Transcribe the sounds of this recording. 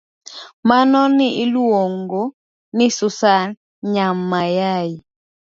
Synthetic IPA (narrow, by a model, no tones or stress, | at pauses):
manɔniiluɔŋɡɔ | nisusa | ɲamajaji